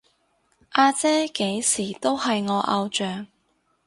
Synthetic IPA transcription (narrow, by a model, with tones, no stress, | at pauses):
ʔaː˧t͡sɛː˥ke˨˥jsiː˨˩t̪o˥whɐ˨jŋɔː˨˧ʔɐ˧wt͡ʃœː˨ŋ